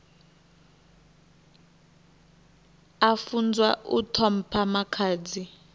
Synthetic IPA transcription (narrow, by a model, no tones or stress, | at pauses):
afund͡zwaṵtʰɔm̩pʰamakʰaːd͡zi